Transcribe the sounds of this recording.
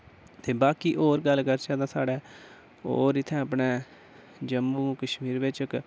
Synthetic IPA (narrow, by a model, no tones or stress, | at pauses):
t̪eːbaːkiːʔoːɾɡəlkəɾt͡ʃaːd̪ãːsaːɽɛː | o̰ːɾɪt̪ʰːɛ̃ːəp̬ɳeː | d͡ʒəmbuːkəʃmiːɾʋɪt͡ʃk